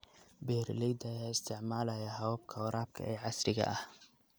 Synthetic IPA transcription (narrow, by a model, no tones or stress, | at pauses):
bɛːrlɛjd̪ɐjaːɪst̪ʰɪʕmaːlɐjaːɦɐwb̚kʰɐwɾaːb̚kʰɐ̰ɛːʕɑsrɪɣɐ̰ʔɐh